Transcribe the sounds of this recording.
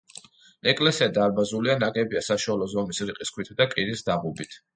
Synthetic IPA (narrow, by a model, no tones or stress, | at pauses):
ɛkʼlɛsiad̪aɾbazulianaɡɛbiasaʃualˠɔzɔmisɾiqʼiskʰwit̪ʰd̪akʼiɾisd̪aʁubit̪ʰ